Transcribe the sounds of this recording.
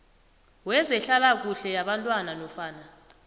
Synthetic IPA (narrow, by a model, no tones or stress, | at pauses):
wɛzɛɬalak̬uɬɛjaɓantʼwanalɔfaːna